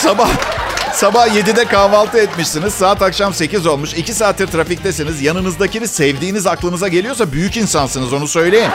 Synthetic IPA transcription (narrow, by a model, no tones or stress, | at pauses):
sabahsabahje̞d̪id̪ɛkaːvalˠt̪ʰɯɛt̪miʃsiniz̥saːt̪akʃamse̞cizo̞lˠmuʃicʰisaːt̪ʰːiɾt̪ɾafic̚t̪ɛsinizjanɯnɯzd̪aciniz̥sɛvd̪iːnizaklˠɯnɯzaɟe̞lʲijosabyjycinsansɯnɯzo̞nusø̞jlʲe̞jim